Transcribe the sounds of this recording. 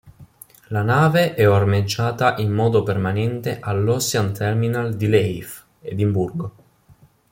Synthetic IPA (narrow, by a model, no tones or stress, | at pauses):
lanaːveʔɛormed͡ʒːaːt̪aʔimːɔːd̪opermanɛnt̪eʔalːɔsjant̪ʰɛrminald̪ilɛjf | ed̪imburɡo